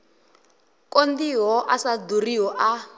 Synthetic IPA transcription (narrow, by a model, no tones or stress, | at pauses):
kʼondiɦɔʔasad̪uriɦɔʔa